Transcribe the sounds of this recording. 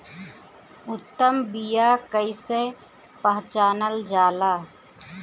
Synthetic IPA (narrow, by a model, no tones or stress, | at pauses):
ʊt̪ːəmbijaːkəise | pəɦt͡ʃaːnəld͡ʒaːlaː